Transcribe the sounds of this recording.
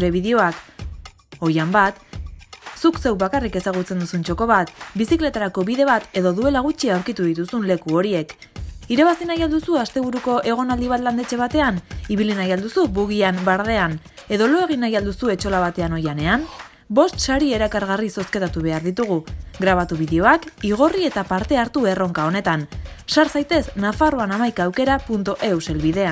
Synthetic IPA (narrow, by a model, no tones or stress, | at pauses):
ɾe̞βiðeo̞ak | o̞jambat̪ | sukse̞wβakarike̞saɣ̞ut͡se̞nd̪usunt͡ʃo̞ko̞βat̪bisikle̞t̪aɾako̞βiðe̞βat̪e̞ðo̞ðue̞laɣ̞ut͡ʃiawɾkit̪uðit̪usunle̞kuo̞ɾie̞k | iɾaβasinajald̪usuast̪e̞β̞uɾuko̞ʔe̞ɣ̞o̞nald̪iβ̞at̪land̪e̞t͡ʃe̞β̞at̪e̞aniβilinajald̪usuβuɣiambaɾðe̞an | e̞ðo̞lo̞e̞ɣ̞inajald̪usue̞t͡ʃo̞laβat̪e̞ano̞jane̞an | bo̞st̪ʃaɾie̞ɾakaɾɣariso̞ske̞t̪at̪uβ̞e̞aɾðit̪uɣ̞uɡɾaβat̪uβ̞iðeo̞akiɣ̞o̞rie̞t̪apaɾt̪e̞aɾt̪ue̞ro̞ŋkao̞ne̞t̪ansaɾsajt̪e̞snafaroanamajkaːwke̞ɾapunt̪oʔe̞wse̞lβið̞e̞an